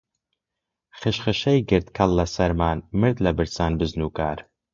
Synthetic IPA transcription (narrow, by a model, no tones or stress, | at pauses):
χɨʃχɨʃɛjɡɨɾt̪kʰɐlːɐsɐɾmaːnmɨɾd̪lɐbɨɾt͡saːnbɨznuːkaːɾ